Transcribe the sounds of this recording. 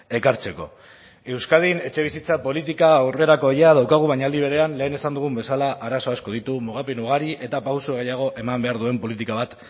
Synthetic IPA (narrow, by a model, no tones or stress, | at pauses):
e̞kaɾt͡se̞ko̞ | e̞wskað̞ine̞t͡ʃe̞β̞isit͡sapo̞lit̪̬ikaːwre̞ɾako̞ejaðawkaɣ̞uβaɲald̪iβ̞eɾe̞anle̞ːne̞sand̪uɣ̞umbe̞salaʔaɾaso̞asko̞ð̞it̪umuɣ̞apenuɣ̞aɾiʔe̞t̪apawsuɣ̞ejaɣ̞o̞ʔe̞mambe̞aɾðue̞mpo̞lit̪ikaβat̪